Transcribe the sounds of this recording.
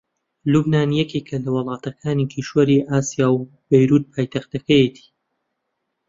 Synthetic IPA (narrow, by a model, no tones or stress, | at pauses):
lubnaːnjɛkekʰɐlɐwɨlˠɑːt̪ʰɐkʰaːnikʰiʃwɐɾiʔaːsijaːw | bɐjɾuːt̪̚pʰaːjt̪ʰɐxt̪ɐkɐjet̪ʰi̥